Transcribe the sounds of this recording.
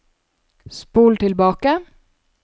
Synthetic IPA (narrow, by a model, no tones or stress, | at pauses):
spuːlt̪ʰɪlbɑːkə